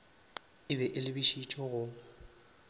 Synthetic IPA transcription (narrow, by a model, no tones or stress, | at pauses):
ɪbɛʔɪlɪbiʃit͡ʃʼɔɣʊ